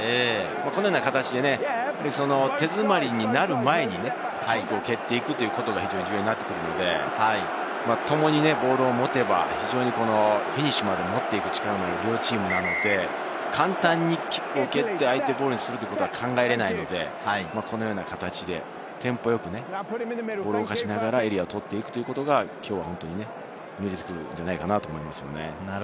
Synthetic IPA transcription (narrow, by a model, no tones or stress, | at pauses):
eːmakonojoːnakat̪at͡ɕid̪e̞nepaɾʲiso̞no̞t̪e̞zɨmaɾʲiɲ̟inaɾɯ̟mae̞ɲ̟ine̞ | ikoːke̞t̪ːe̞ikɯ̟t̪ːo̞jɯ̟ko̞t̪o̞ɡahʲçiʑoːɲid͡ʑɯːjeɲinat̪ːe̞kɯ̟ɾɯ̟no̞̰d̪e̞̰ | a | mat̪o̞mo̞ɲ̟ine̞bo̞ːɾɯːmo̞t̪e̞ba̰çiʑo̞ːɲ̟iko̞no̞çiɲ̟iɕimad̪e̞mo̞t̪ːe̞ikɯ̟̥t͡ɕi̥kaɾanoaɯɾʲot͡ɕiːmɯ̟nano̞d̪e̞ | kʰãnt̪ãɲ̟ːikʲkoːke̞t̪ːe̞ait̪e̞bo̞ːɾɯ̟ɲ̟isɨɾɯt̪ojikot̪o̞akʰãŋɡaeɾe̞naino̞d̪e̞̰makʰo̞no̞jo̞ːnakat̪at͡ɕid̪e̞̰ | t̪ʰẽ̞mpo̞jo̞kɯ̟ne̞ | bo̞ːɾɯokaɕinaɡaɾae̞ɾʲiaot̪o̞t̪ːe̞ikɯ̟t̪o̞jiɯ̟ko̞t̪o̞ɡakʲʰo̞ːβahõ̞nt̪o̞ɲ̟ine̞ | mʲiɾe̞t̪e̞̥kɯ̟ɾɯ̟̰nd͡ʑanaikanat̪oːmoimasɨjo̞̰ne̞̰